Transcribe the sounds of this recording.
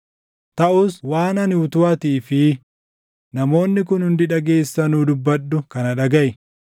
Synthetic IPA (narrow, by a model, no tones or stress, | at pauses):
t̪ɐʔʊswaːnɐnʊt̪ʊɐt̪iːfɪ | nɐmo̞ːnːɪk̬ʊnhʊnd̪ɪᶑɐɡe̞ːsːɐnuːd̪ʊbːɐɗːʊkɐnɐᶑɐɡɐʔɪ